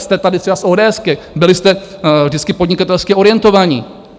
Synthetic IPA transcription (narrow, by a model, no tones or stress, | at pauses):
st̪ɛt̪adɪt̪rɛbasʔoːdɛːɛskɛ | bɪlɪst̪ɛ | vdɪtt͡skɪpo̞dɲɪkat̪ɛlskɪʔo̞ɾɪjɛnt̪o̞vaːɲɪ